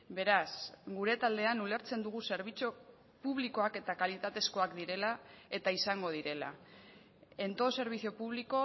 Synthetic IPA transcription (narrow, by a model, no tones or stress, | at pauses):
be̞ɾasɡuɾe̞t̪ald̪e̞anule̞ɾt͡se̞nd̪uɣ̞use̞ɾβit͡so | puβ̞liko̞ake̞t̪akalit̪at̪e̞sko̞akd̪iɾe̞lae̞t̪aisaŋɡo̞ð̞iɾe̞la̰ | e̞nt̪o̞se̞ɾβ̞iθio̞puβ̞liko̞